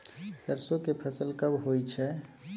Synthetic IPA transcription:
səɾsokepʰəsəlkəbɦojt͡ʃʰɛ

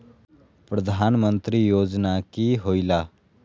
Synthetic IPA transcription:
pɾəd̪ʱaːnmə̃nt̪ɾiːjoːd͡ʒnakiɦoːilaː

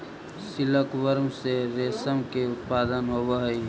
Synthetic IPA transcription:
sɪləkʋəɾmseɾeːsəmkeʊt̪̚paːd̪ənɦoːʋaɦi

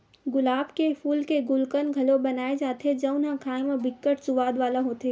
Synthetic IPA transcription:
ɡʊlaːbkefʰuːlkeɡʊlkənɡʱɐlobɐnaːed͡ʒaːt̪ed͡ʒɐʊnɦãkʰaːɪmabɪkːəʈsʊʋaːd̪ʋaːlaɦoːt̪eː

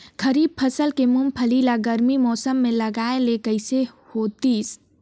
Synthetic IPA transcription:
kʰəɾib̚pʰəsəlkemumpʰəlilaɡəɾmimɔːsəmːeləɡaelekəɪse | hot̪is

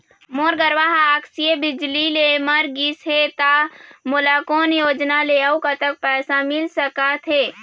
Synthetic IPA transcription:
moːɾɡəɾʋaɦaksijebɪd͡ʒlileməɾɡisɦet̪amolakoːnjoːd͡ʒnaleaukat̪ək̚pɛːsamɪlsəkat̪ʰɦeː

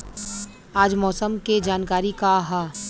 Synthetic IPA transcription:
aːd͡ʒmɔːsəmked͡ʒaːnkaːɾikaɦaː

